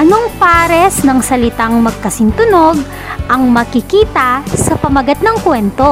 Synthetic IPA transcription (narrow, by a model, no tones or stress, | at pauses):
ʔɐnoŋpaːɾɛsnɐŋsɐlɪt̪aŋmɐɡ̚kɐsɪnt̪ʊno̞ɡ | ʔɐŋmɐkɪkiːt̪ɐsɐpɐmɐɡɐt̪̚nɐŋkwɛnt̪o̞